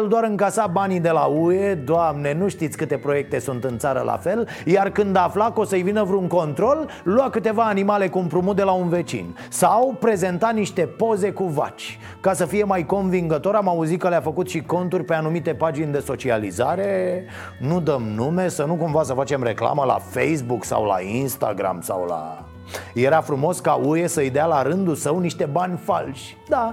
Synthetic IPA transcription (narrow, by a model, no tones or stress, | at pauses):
ld̪oaɾɨŋkasabanid̪e̞laue̞d̪oamne̞nuʃt̪it̪sʲkɨt̪e̞pɾo̞je̞k̚t̪e̞sunt̪ɨnt̪saɾə̰lʔa̰fe̞l | jarkɨnd̪aflako̞səjvinəvɾeuŋko̞nt̪ɾo̞lː | uakɨt̪e̞vaːnimale̞kuːmpɾumud̪e̞launve̞t͡ʃḭn | sawpɾe̞ze̞nt̪at̪niʃt̪e̞po̞ze̞kuva̰t͡ʃʲ | kasəfije̞majko̞nviŋɡət̪o̞ɾamauzit̪̚kəleafəkut̪ʃiko̞nt̪urʲpeanumit̪e̞pad͡ʒind̪e̞so̞t͡ʃializaɾe̞ | nud̪əmnume̞sənukumvasəfat͡ʃe̞mre̞kla̰məla̰fejs̬buksa̰wla̰inst̪a̰ɡɾa̰msa̰wla̰ | je̞ɾafɾumo̞skauesəɨjd̪ealaɾɨnd̪usəwniʃt̪e̞banʲfa̰lʃʲ | d̪a